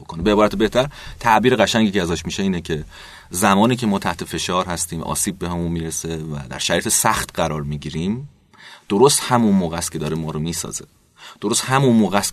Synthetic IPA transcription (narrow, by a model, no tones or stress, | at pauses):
okʰonebeebɒːɾæt̪ebe̞ht̪ʰæɾt̪ʰæʔbiːɾeɣæʃæŋɟiːceæzɒːʃmiːʃeiːnecʰe̞ | zæmɒːniːcʰe̞mɒːt̪ʰæht̪ʰe̞fe̞ʃɒːɾhæst̪iːmɒ̰ːsiːb̚ːehæmunmiːɾese̞væ̰d̪æ̰ɾʃæɾiːt̪ʰesæxt̪ɢæɾɒːɾmiːɟiːɾiːm | d̪̥oɾost̪hæmunmoːɣæst̪kʰʲed̪ɒːɾemɒːɾomiːsɒ̰ːz̥e̞̰ | d̪̥oɾost̪hæmunmoːɣæst̪